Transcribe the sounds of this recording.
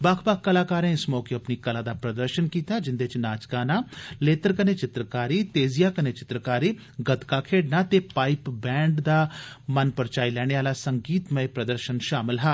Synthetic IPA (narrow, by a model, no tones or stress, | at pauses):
baːkʰbakʰːəlaːkaːɾẽːɪsmɔːkeəpniːkəlaːd̪aːpɾəd̪əɾʃənkiːt̪aːd͡ʒɪnd̪eːt͡ʃnaːt͡ʃkaːnaːleːt̪əɾkəneːt͡ʃɪt̪ɾəkaːɾiːt̪eːzijaːkəneːt͡ʃɪ̥t̪ɾəkaːɾiː | ɡət̪kaːkʰeːɖnaːt̪eːpaːipbɛ̃ːɳɖd̪aːmənpəɾt͡ʃaːilɛːɽ̃eːaːlaːsəŋɡiːt̪məeːpɾəd̪əɾʃənʃaːmɪlɦɛː